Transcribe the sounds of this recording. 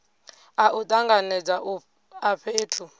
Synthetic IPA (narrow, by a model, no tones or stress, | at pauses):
aʔut̪ʼaŋɡanɛd͡zaʔ | aɸʰeːtʰu